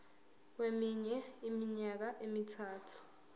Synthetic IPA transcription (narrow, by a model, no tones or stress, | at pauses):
k̬wemiɲɛimiɲak̬aʔemitʰaːtʰu̥